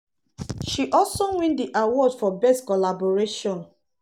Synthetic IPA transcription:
ʃiʔɔlsowĩndiʔawɔdfɔbɛstkɔlabɔɹeʃɔ̃n

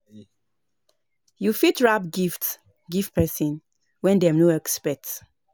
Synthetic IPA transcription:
jufitɹabɡifts | ɡiftpʰɛsĩn | wɛ̃ndɛmnoɛkspɛt

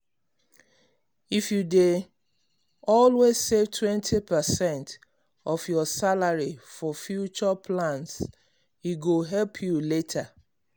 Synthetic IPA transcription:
ifjude | ɔlwez̥sevtʰwɛ̃ntʰipəsɛ̃nt | ɔfjɔsalaɹifɔfjut͡ʃɔpʰlãns | iɡoɦɛlpʰjuletʰə

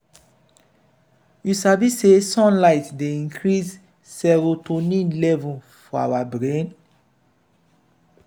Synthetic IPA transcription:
jusavisesɔ̃nlaɪtdeĩŋkʰɹis | sɛɾotonĩnlɛvũ | fɔa̰wabɹẽn

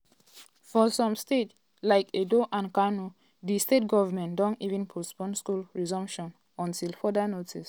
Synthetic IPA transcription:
fɔsɔ̃mstet | laɪkedoʔãnkanu | ðistet̚ɡɔvamɛ̃ndɔ̃ntivĩnpʰospɔ̃nskulɹizɔ̃mpʃɔ̃n | ɔ̃ntilfɔdanotʰis

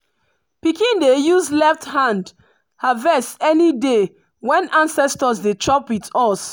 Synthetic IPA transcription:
pikĩndejuzlɛfthãnd | havɛsɛnide | wɛ̃nãnsɛstɔsdet͡ʃʰɹɔpitɔs

